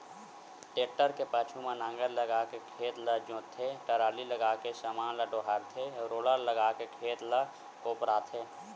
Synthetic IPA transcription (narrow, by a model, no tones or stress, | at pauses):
ʈeːʈːəɾkepət͡ʃʰumẽnãːŋɡəɾləɡaːkekʰeːt̪ləd͡ʒõːt̪ʰeʈəɾaːliləɡaːkesəmaːnləɖoːɦəɾt̪ʰeɾoːləɾləɡaːkekʰeːt̪lə | koːpɾaːt̪ʰeː